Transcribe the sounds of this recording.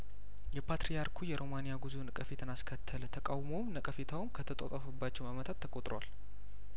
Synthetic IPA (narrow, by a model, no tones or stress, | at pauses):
jɛpʰat̪ɾijaɾkʰujɛɾo̞manijaɡuzunəkʼəfet̪ʰɨnaskʰət̪ʰːəlt̪ʰəkʼawmomnəkʼəfet̪ʰawumkʰət̪ʰət̪ʼo̰t̪ʼəfəbːat͡ʃːɛwmamət̪ʰat̪ʰːəkʼot̪ʼɾowal